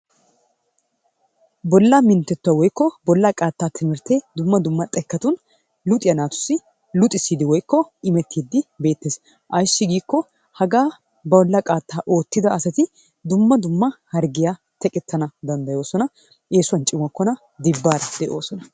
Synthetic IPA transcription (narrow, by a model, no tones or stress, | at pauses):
bɔlːamɪnt̪ːɛt̪ːʊɐwɔjkːɔbɔlːakʼaːt̪ːaːt̪ʰɪmɪɾt̪ed̪ʊmːɐd̪ʊmːɐt̪ʼɛkːɐt̪ʊn | lʊt̪ʼɪjɐnaːt̪ʊ̥sːɪ | lʊt̪ʼɪsːiːd̪ɪwɔjkːɔɪmɛt̪ʰːiːd̪ːɪbe̞ːt̪ːeːs | ʔɐjʃːɪɡiːkːɔ | hɐɡaː | bɐwɔlːɐkʼaːt̪ːaːʔo̞ːt̪ːɪd̪ɐɐsɐt̪ɪ | d̪ʊmːɐd̪ʊmːɐhɐɾɡɪja | t̪ɛkʼɪt̪ʰːɐnɐd̪ɐnd̪ɐjo̞ːsɔnɐ | eːsʊɐnt͡ʃʼɪmɐkːɔnɐ | d̪ɪbːaːɾɐd̪ɛʔo̞ːsɔnɐ